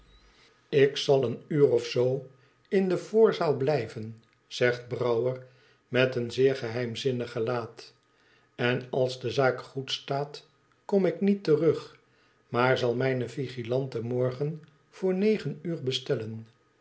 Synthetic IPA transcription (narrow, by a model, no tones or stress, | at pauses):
ɪksɑlˠənyːʁɔfsow | ɪndəv̥ʊːɹzaːlˠblɛjvən | z̥ɛχd̚brʌwər | mɛtənzɪːɹχəɦɛjmzɪnəχəlaːt | ɛnɑlˠzdəzaːkχutstaːt | kɔmɪknitərɵχ | maːɹzɑlˠmɛjnəviχilɑntəmɔɹχən | v̥ʊːɹnejχənyːɹbəstɛlən